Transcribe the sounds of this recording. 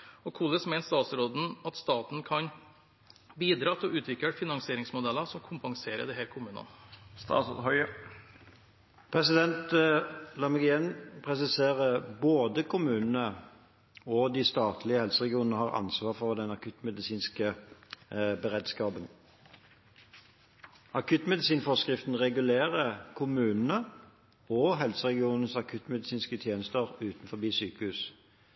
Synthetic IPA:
ɔkʰuːləsmɛɪnst̪ɑːt̪sɾoːd̪n̩ɑt̪st̪ɑːt̪n̩kʰɑn | biːd̪ɾɑːt̪ʰɔʔʉːt̪ʰʋɪkəfɪnɑŋsɪeːɾɪŋsmʊd̪ɛlːəsɔmkʰʊmpɑŋseːɾə̰d̪ɛhæːɾkʰʊmʉːnɑ̰nst̪ɑ̰ːsd̪hœʏə | pʰʁɛsɪd̪ɛnt̪lɑmɛɡɪjɛnpʰʁɛsɪseːʁəboːd̪əkʰʊmʉːnən̩ə | ɔd̪ɪst̪ɑːt̪ʰlɪəhɛlsəʁɛɡɪuːnnəhɑːʁɑ̰nsʋɑːʁfɔʁd̪ɛnɑkʰʉt̪mɛd̪ɪsiːnskə | bəʁɛd̪skɑːbən | ɑkʰʉt̪mɛd̪ɪsiːnfɔskʁɪft̪n̩ʁɛɡʉleːʁəkʰʊmʉːnənə | ɔɦɛlsəʁɛɡɪuːnən̩sɑkʰʉt̪mɛd̪ɪsiːnskət̪ʰjeːnəst̪əʁʉːt̪nfɔɾbiːsyːkəhʉːs

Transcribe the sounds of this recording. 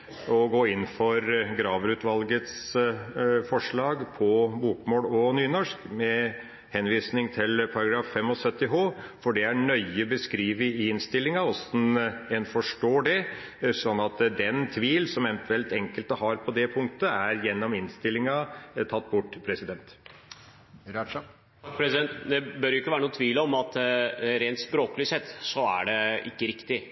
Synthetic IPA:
ɔɡoːɪnːfɔɾɡɾɑːʋɾʉːt̪ʋɑlɡət̪s | fɔʂɭɑːɡpʰɔbuːkmoːlɔnyːnɔʂkmɛ | hɛnʋiːsnɪŋt̪ʰɪlpʰɑɾɑɡɾɑːfːɛmːɔsœt̪ːɪɦoːfɔɖɛæɳœʏəbəskɾiːʋəɪɪnst̪ɪlːɪŋɑɔsnɛnfɔʂʈoːɖɛ | sɔnːɑt̪d̪ɛnt̪ʰʋiːlsɔmɛnt̪ʰʉɛlt̪ɛŋkəlt̪əɦɑɾpʰɔd̪ɛpʰʊŋkt̪əæɾjɛnːɔmɪnst̪ɪlːɪŋɑt̪ʰɑt̪ːbʊʈːpʰɾɛsɪd̪ɛnt̪ | pɾɛsd̪ɛnt̪d̪ɛbœɾjʊɪkːʋæːɾnuːət̪ʰʋiːləɔmɑt̪ɾeːnt̪spɾoːklɪsɛt̪ːsɔæ̰ɖɛʔɪ̰kːəɾɪkt̪ɪ

